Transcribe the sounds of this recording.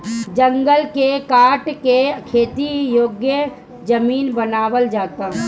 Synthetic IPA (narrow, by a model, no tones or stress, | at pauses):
d͡ʒə̃ŋɡəlkekaːʈkekʰeːt̪ijoːɡjə | d͡ʒɐmiːnbənaːʋəld͡ʒaːt̪aːɦ